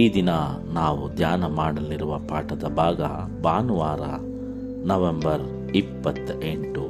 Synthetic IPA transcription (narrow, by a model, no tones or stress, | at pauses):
iːd̪inɐ | naːʋud̪jaːnɐmaːɽɐliɾuʋɐpaːʈɐd̪ɐbʱaːɡɐ̰ | baːnuʋaːɾɐ̰ | nɐʋembɐɾ | ipːɐt̪ːeɳʈu